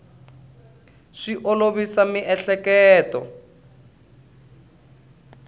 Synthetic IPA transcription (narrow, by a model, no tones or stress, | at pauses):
ʂiʔoloβisamiʔɛɬɛkɛːtɔ̰